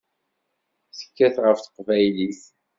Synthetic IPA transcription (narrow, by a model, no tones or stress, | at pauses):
sə̥kːæθʁəfθə̥qvæjliθ